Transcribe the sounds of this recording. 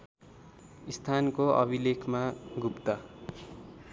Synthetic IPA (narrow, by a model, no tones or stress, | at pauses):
ist̪ʰankoʔʌ̰bilekʰmaɡupt̪a